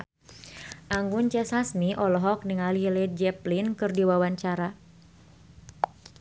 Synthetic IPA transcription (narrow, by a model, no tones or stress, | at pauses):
ʔaŋɡunt͡ʃɛsasmiʔɔlɔɦɔk̚niŋalilɛd͡ʒɛplinkɨrdiwawaɲt͡ʃaɾa